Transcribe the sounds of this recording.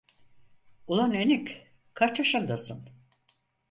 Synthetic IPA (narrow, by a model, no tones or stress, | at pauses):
ulˠanenikʲ | kʰːaɾt͡ʃʰaʃɯnd̪asɯn